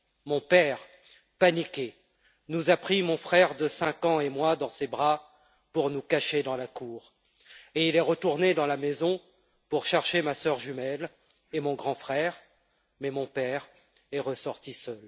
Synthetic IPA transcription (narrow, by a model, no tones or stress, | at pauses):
mɔ̃pɛʁ | panikʲe | nuzapχimɔ̃fχɛʁd̪əsɛ̃kɑ̃emwad̪ɑ̃sebʁa | puʁnukaʃed̪ɑ̃lakuːʁ | eilɛʁət̪uʁned̪ɑ̃lamezɔ̃ | puʁʃɛʁʃemasœʁʒymɛl | emɔ̃ɡʁɑ̃fχɛʁ | mɛmɔ̃pɛʁ | ɛʁəsɔʁt̪isœl